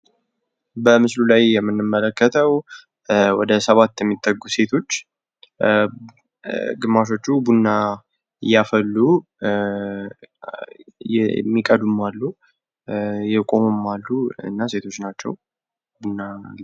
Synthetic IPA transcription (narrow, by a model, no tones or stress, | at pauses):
bəmɨslulajːɛmːɨnːɨmːələkːət̪ʰəw | wɔd̪əsəβat̪ːjɛmːit̪ʼːəɡːuse̞t̪ʰo̞t͡ʃː | ɡɨmːaʃ̬o̞t͡ʃːubunːa | ɨjːafəlːu | jmːikʼəd̪mualːu | jɛkʼo̞mɨmalːuɨ̰nːase̞t̪ʰo̞t͡ʃːnat͡ʃːɛ̰w | bunːa